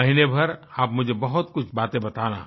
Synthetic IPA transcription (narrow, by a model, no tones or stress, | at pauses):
ɐɦinebʱɐɾaːpmʊd͡ʒʱebɐɦʊt̪̚kʊt͡ʃʰbaːt̪ẽbɐt̪aːna̰ː